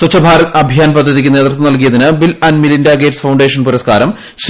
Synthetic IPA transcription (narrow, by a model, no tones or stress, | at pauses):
sɐt͡ɕːɐbʱaːɾɐt̪ɐbʱijaːnpɐd̪ʱːɐðikʲːɨne̞ːt̪rt̪ːɐnɐlk̬ijɐðinɨbilɐnmilindaɡeːʈsfɐwɳɖeːʂɐnpuɾɐskaːɾɐm | ɕ